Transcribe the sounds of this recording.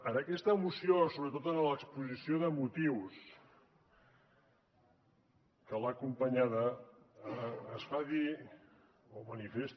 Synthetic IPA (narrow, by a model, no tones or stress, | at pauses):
ənəkɛst̪əːmusiosoβɾət̪ot̪ənələkspuzisioðəmut̪iws | kəlakumpəɲaðə | sfaði | omənifest̪